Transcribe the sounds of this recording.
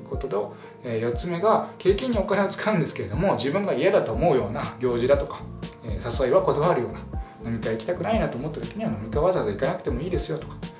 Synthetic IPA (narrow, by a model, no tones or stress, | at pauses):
ko̞t̪o̞d̪o | eːjo̞t͡sɨme̞ɡake̞ːkẽɲ̟ːio̞kane̞o̞t͡sɨ̥kʰaɯ̟̃nd̪esɨ̥kee̞d̪o̞mo̞ʑibɯ̟̃ŋɡaijad̪at̪o̞ːmo̞ɯjo̞ːnaɡʲo̞ːʑid̪at̪o̞kḁeːsasɨβaiβako̞d̪oβaɾɯ̟jo̞ːnano̞mʲikaikʲi̥t̪akɯ̟nainat̪o̞ːmo̞t̪ːat̪o̥kʲeɲ̟iβano̞mʲikaβazaːzikanakɯ̟̥t̪e̞mo̞iːd̪e̞sɨjo̞t̪o̞̥kḁ